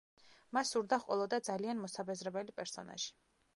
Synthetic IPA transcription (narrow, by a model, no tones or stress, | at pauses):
masːuɾd̪aχʼwɔlˠɔd̪ad̪zalianmɔsabɛzɾɛbɛlipʼɛɾsɔ̰na̰ʒi̥